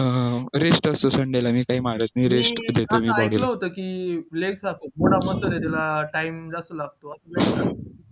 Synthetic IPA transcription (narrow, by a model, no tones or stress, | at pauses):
ɾesʈəsosəɳɖelamiːkaɦiːmaɾat͡sniːɾesʈd̪et̪emiːbaɽiləɦot̪əkiːleɡsakomoɽaməsəɾet̪ɛlaʈaimd͡zasəlaɡ̚t̪oasəbea